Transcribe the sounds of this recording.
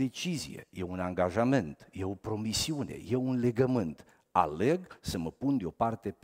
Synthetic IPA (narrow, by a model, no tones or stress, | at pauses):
e̞t͡ʃizijḛjeunaŋɡaʒament̪je̞o̞pɾo̞misiune̞̰je̞unle̞ɡəmɨnt̪ | a̰le̞ɡsəməpund̪eo̞part̪e̞